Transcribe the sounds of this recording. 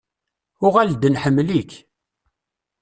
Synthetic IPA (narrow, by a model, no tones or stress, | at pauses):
ʊʁæld̪ənħəmːlik